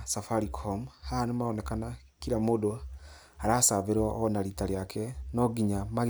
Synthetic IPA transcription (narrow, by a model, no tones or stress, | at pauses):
safaɾikʰomhanomaonekana | kiɾamodo | aɾasaβeɾonaɾitaɾjakʰenoɡiɲama